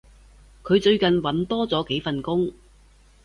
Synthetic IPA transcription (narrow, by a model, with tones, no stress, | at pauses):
kʰɵ˨˧ɥt͡sɵ˧ɥkɐ˨nwɐ˨˥nt̪ɔː˥t͡sɔː˨˥ke˨˥jfɐ˨nkʊ˥ŋ